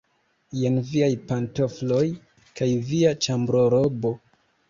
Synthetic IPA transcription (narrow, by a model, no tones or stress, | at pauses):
jenviajpanto̞flo̞j | kajviat͡ʃambɾo̞ɾobo̞